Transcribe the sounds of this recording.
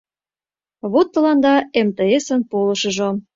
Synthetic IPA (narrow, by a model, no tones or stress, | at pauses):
βot̪ːə̆lɑnd̪ɑemt̪eesə̆npolə̆ʃə̆ʒo